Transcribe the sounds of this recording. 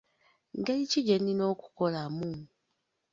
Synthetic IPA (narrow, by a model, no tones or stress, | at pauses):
ŋɡeliciɟenino̞ːku̥ko̞lamu